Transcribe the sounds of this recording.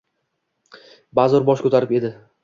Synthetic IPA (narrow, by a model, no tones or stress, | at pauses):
bazɒɾbɒʃkʰɵt̪ʰaɾɪpe̞d̪ɪ